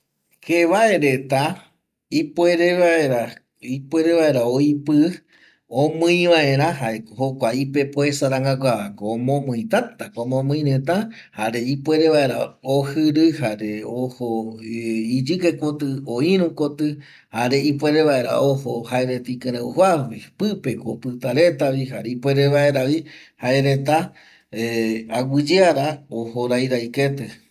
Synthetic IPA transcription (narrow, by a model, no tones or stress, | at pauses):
keʋae̞ɾet̪a | ipwe̞ɾeʋaeɾa | ipwe̞ɾeβae̞ɾaoipɨ | õmɨ̃j̃ʋae̞ɾãhaehokʷaipe̞poesaɾaŋɡakʷaakoomõmɨ̃j̃t̪at̪akomõmɨ̃ĩɾet̪a | haɾe̞ipwe̞ɾeβae̞ɾa̰ohɨɾɨhaɾeoho | id͡ʒɨkekot̪ɨoiɾũkot̪ɨ | haɾe̞ipwe̞ɾeβae̞ɾa̰ʔohohaeɾet̪aikɨ̃ɾeuɦaipɨpe̞kopɨt̪aɾe̞t̪aβiɦaɾeipʷeɾeβae̞ɾaβihaeɾet̪̬a | eawɨd͡ʒeaɾaohoɾajɾajket̪ɨ